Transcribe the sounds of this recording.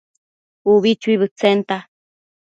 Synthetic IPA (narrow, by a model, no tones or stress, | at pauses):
uβit͡ʃuiβɨt͡sent̪a